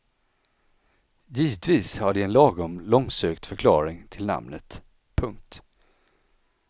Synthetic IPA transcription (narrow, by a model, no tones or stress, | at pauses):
jiːvət̪viːshaɖɪɛnlɑːɡʊmlɔŋsøːkt̪fœɾkʰlɑːɾɪŋt̪ʰɪlna̰mnət̪ | pʰɵŋk̚t̪